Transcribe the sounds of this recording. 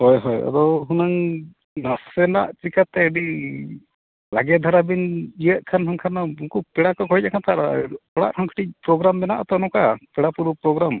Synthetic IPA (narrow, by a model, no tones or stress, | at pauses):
hɔjɦɔja̰d̪ɔwɦunaŋ | nasɛna̰ʔt͡ʃikʰat̪ɛːɖi | laɡɛd̪ʱaɾabinijəʔ̪̚kʰanɦɔŋkʰanauŋkupɛɽakɔkɔɦicakʰant̪aɾɔɽa̰ʔhɔŋkʰiʈic̚pɾɔɡɾambɛnaʔat̪ɔnɔkapɛɽapuɾupɾɔɡɾam